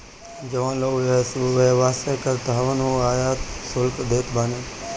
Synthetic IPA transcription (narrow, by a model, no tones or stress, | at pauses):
d͡ʒɐʋãːloːeʋeʋaːseːkɐɾt̪ɦɐʋənoːaːjaːt̪sʊlkd̪eːt̪baːneː